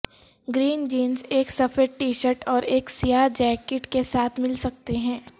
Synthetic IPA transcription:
ɡɾiːnd͡ʒiːnzeːksɐfəɾʈiːʃəɾʈɔːɾeːksijad͡ʒɛːkɪʈkesaːt̪ʰmɪlsɐk̚t̪eɦɛ̃ː

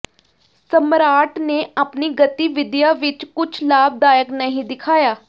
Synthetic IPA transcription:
səmɾaːʈneːaːpniːɡət̪iːʋɪd̪jaːʋɪt͡ʃkʊt͡ʃʰlaːb̚d̪aːjəknəɦĩːd̪ɪkʰaːjaː

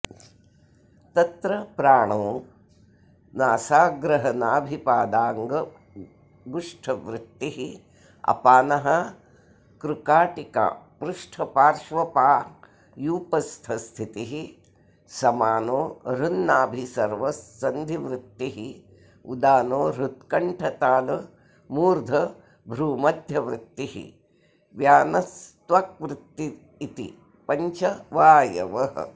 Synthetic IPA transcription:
t̪ɐt̪ɾɐpɾaːɳoː | naːsaːɡɾɐɦɐnaːbʱipaːd̪aːŋɡɐ | ɡuʂʈʰɐʋɾɪt̪ːiɦi | ɐ̰paːnɐɦɐ | kɾukaːʈika̰ːpɾuʂʈʰɐpaːɾʂʋɐpaː | juːpɐst̪ʰɐst̪ʰit̪iɦi | sɐmaːnoːɾunːaːbʱisɐɾʋɐsːɐnd̪ʱiʋɾɪt̪ːiɦi | ud̪aːnoːɾut̪kɐɳʈʰɐt̪aːlɐ | muːɾd̪ʱɐ | bʱɾuːmɐd̪ʱjɐʋɾɪt̪ːiɦḭ | ʋjaːnɐst̪ʋɐk̚ʋɾɪt̪ːiː | t̪ḭ | pɐɲt͡ʃɐʋaːjɐ̰ʋɐɦɐ̰

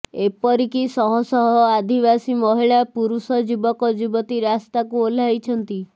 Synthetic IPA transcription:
epɔɾikisɔɦɔsɔɦɔad̪ʱibasimɔɦiɭapuɾusɔd͡ʒibɔkɔd͡ʒibɔt̪iɾast̪akuol̤ajt͡ʃʰɔnt̪i

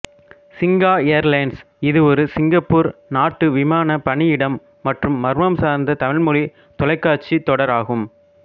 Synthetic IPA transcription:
sɪŋɡaːejɐɾlɐɪns | ɪðɯɔɾɯsɪŋɡɐpːuːɾnaːʈːɯʋɪmaːnɐpɐɳɪjɪɽɐmː | ɐʈrɯmːɐɾɯmɐmsaːɾnd̪ɐt̪ɐmɪɭmʊɻi | t̪ɔlɐɪkːaːt͡ʃit̪ːɔɽɐɾaːɣɯm

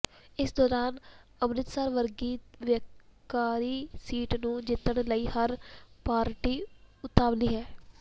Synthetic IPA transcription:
ɪsd̪ɔːɾaːnəbnɪt̪səɾʋəɾɡiːt̪ʋjəkaːɾiːsiːʈnũːd͡ʒɪt̪ːəɳləiːhəɾpaːɾʈiːʊt̪aːʋliːɦɛː

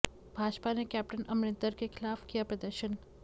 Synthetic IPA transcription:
bʱaːd͡ʒpanekɛp̚ʈənəmɾɪ̃nt̪əɾkekʰɪlaːfkijapɾəd̪əɾʃən

